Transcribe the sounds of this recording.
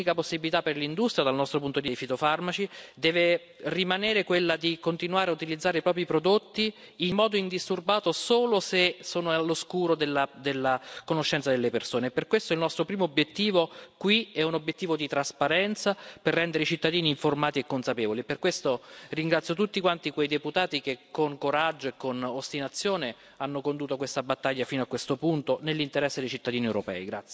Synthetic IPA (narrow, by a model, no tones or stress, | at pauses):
ikaposːibilit̪apːerlind̪ust̪ɾjad̪alnɔst̪ɾopunt̪od̪iejfit̪ofarmat͡ʃid̪ɛːve | rimaneːɾekwelːad̪ikont̪inuaːɾeaut̪ilid̪zːaːɾeipɾɔːp̬ɾipɾod̪ot̪ːiː | mːɔːd̪oind̪ist̪urbaːt̪osoːlosesoːnoalːoskuːɾod̪elːad̪elːakonoʃːɛnt̪sad̪elːepersoːneːpːerkwest̪oilnɔst̪ɾopɾiːmoːbjet̪ːiːvokwiɛunobjet̪ːiːvod̪it̪ɾaspaɾɛnt̪saperːɛnd̪eɾeit͡ʃit̪ːad̪iːniːɱformaːt̪iekːonsapeːvoliepːerkwest̪oriŋɡɾat̪sjot̪ut̪ːikwant̪ikwejd̪eput̪aːt̪ik̟ekkːoŋkoɾad͡ʒːoekːonost̪inat̪sːjoːne | anːokond̪uːt̪okwest̪abat̪ːaʎːafiːnoakːwest̪opunt̪onelːint̪eɾɛsːed̪ejt͡ʃit̪ːad̪iːniewɾopɛ̰ːiɡɾa̰t̪sːj